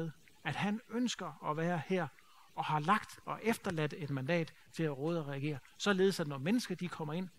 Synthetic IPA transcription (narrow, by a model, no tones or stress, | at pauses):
eðˠ | æd̥hænønsɡ̥ɐɒ̽ʋæːɐheɐ̰ | ɒ̽hɑ̈lɑ̈ɡ̥d̥ɒ̽ʔefd̥ɐlæd̥e̝d̥mænd̥ɛ̰ːd̥ | t͡sʰe̝læʁɔːð̞̩ˠɒʁɛæɡ̥e̝̰ːɐ | sɒ̽le̝ð̞̩ˠsæd̥nɒmenəsɡ̥ɐd̥ikʰɒ̽m̰ɐe̝n̰